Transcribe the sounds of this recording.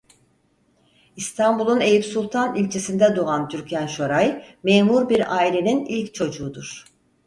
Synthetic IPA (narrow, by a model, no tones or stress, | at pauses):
ist̪ʰambulˠunejipsulˠt̪ʰanilʲt͡ʃʰesind̪ɛd̪oant̪ʰyɾcʰænʃoɾajmeːmuɾbiɾaːilʲe̞ninilʲct͡ʃʰo̞d͡ʒuːd̪uɾ̥